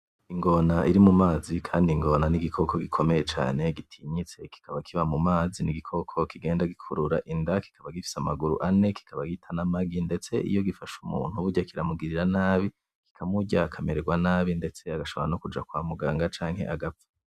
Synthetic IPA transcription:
iŋɡo̞naʔiɾimumaːzikʰaːndiŋɡo̞naniɡikʰo̞kʰo̞ɡikʰo̞me̞je̞t͡ʃa̰ːne̞ɡitʰiɲit͡se̞ki̥kʰaβakʰiβamumaːziniɡikʰo̞kʰo̞kiɡe̞ːndaɡikʰuɾuɾa̰ʔindaki̥kaβaɡifi̥samaɡuɾṵʔane̞ki̥kʰaβaɡitʰanamaɡinde̞t͡se̞ʔḭjo̞ɡifaʃumṵːn̥huβuɾɟakiɾamuɡiɾiɾanaːβi | ki̥kʰamuɟakʰameɾeɡwanaːβinde̞t͡se̞aɡaʃo̞βoɾanokud͡ʒakwaːmuɡaːŋɡat͡ʃaːŋhe̞̰ʔaɡap̪ḁ

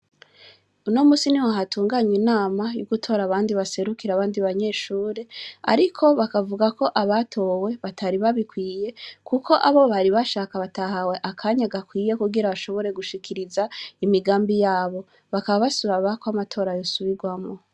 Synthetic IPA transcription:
unomuːsiniwaɦatuːŋɡaɲinaːmajṵɡutʰo̞ɾaβaːndiβase̞ɾukiɾaβaːndiβaɲe̞ːʃuːɾe̞a̰ɾikʰo̞βakavuɡako̞ʔaβatʰo̞we̞βatʰaɾiβaβikwiːje̞kʰuko̞ʔaβo̞βaɾiβaʃaːkaβatahawe̞ʔakʰaːɲaɡakwiːje̞kuɡiɾaβaʃo̞βo̞ɾe̞ɡuʃikʰiɾizaimiɡaːmbijaːβo̞ | βakaβaβasuɾaβakoamatʰo̞ːɾajosuβiɡwamo

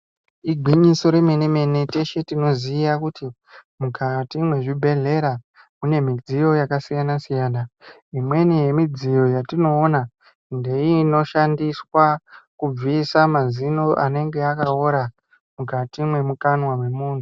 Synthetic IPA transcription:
iɡʱwiɲiso̞ɾe̞me̞neme̞nete̞ʃe̞tino̞ziːjakuti | mukʰatimwe̞ʐibʱe̞ɮe̞ɾa | une̞mid͡ziɾo̞jakasijanasijaːna | imwe̞nije̞mid͡zijo̞jatino̞ːna | nde̞ino̞ʃandiswakub͡visamazino̞ʔa̰ne̞ŋɡe̞akaoɾa | mukatimwe̞mukanwamwe̞muːn̤u

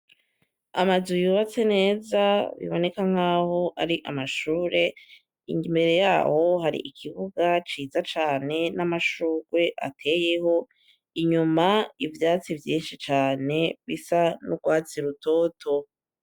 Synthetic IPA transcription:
a̰mazujuːβat͡se̞ne̞ːzaβḭβo̞ne̞kaŋ̥aːho̞ʔaɾiʔamaʃuːɾe̞ | ḭŋɡimbe̞ɾe̞jaːho̞ɦaɾḭʔikʰiβuɡat͡ʃiːzat͡ʃaːne̞namaʃuːɡ̥we̞ʔa̰tʰe̞ːje̞ho̞ | iɲumaivjaːt͡sivjiːnʃit͡ʃaːne̞βisanuɡwaːt͡siɾuto̞tʰo̞

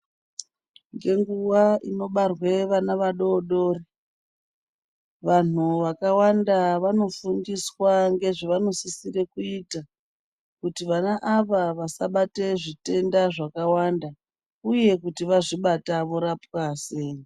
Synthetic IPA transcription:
ŋɡe̞ŋɡuwaino̞ɓarwe̞ʋanaʋaɗo̞ːɗo̞ːri | ʋan̤uʋakawandaʋano̞fuŋɡiswaŋɡe̞ʐiʋano̞sisire̞kuita | kutiʋanaʔaʋaʋasaɓate̞ʐite̞ndaʐakawanda | uje̞kutiʋaʐiɓataʋo̞ɾapwaseːje

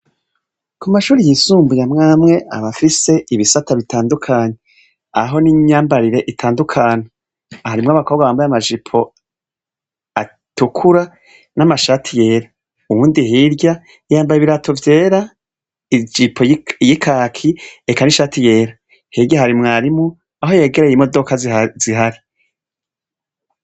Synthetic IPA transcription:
kumaʃuːɾijisuːmbujamŋaːmŋe̞ʔa̰βafise̞iβisataβitʰaːndukʰaːɲe̞ | aɦo̞niɲaːmbaɾiɾe̞ʔitʰaːndukʰaːɲe | haɾimŋaβakʰoβɡaβaːmbajamaʒipʰo̞ | a | tukʰuɾa | namaʃaːtʰije̞ːɾa | uβuːndiɦiɾɟa | jaːmbajiβiɾatʰo̞vje̞ːɾa | id͡ʒipʰojikʰaːkʰiekaniʃaːtʰije̞ːɾa | hiɾɟaɦaɾimŋaːɾimu | aɦo̞je̞ːɡe̞ɾejimo̞do̞kaziɦaɾi

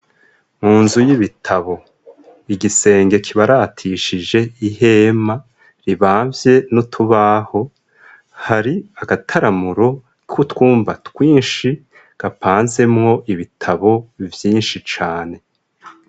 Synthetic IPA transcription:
muːnzujiβitʰaβo̞ | iɡise̞ːŋɡe̞kʰiβaɾatʰiʃid͡ʒe̞iɦe̞ma | ɾiβaːɱvje̞notʰuβaho̞ | haɾiaɡatʰaɾamuɾo̞ | kʰutwuːmbatwiːnʃi | ɡ̥apʰaːnze̞mŋo̞ʔiβitʰaβo̞vjiːnʃit͡ʃaːne̞

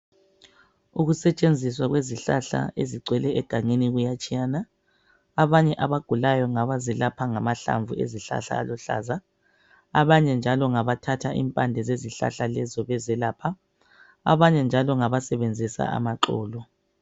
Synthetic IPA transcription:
uɣusɛt͡ʃʼend͡zʱiswaɣweziɬaɬa̰eziɡ͡ǀʱwɛlɛɛɡ̥ʱaŋeniɣujat͡ʃʼijanaː | βaɲɛʔaβaɡ̥ʱulajɔŋaβazɛlapʰaŋamaɬa̰ɱvʱuḛziɬa̰ɬa̰ːlɔɬa̰ːza | a̰βaɲɛnd͡ʒʱalɔŋaβatʰatʰaʔḭmpʼandʱɛzeziɬa̰ɬalɛzɔβɛzɛlaːpʰa | a̰βaɲɛnd͡ʒʱalɔŋaβasɛβend͡zʱisa̰a̰maǃɔːlɔ

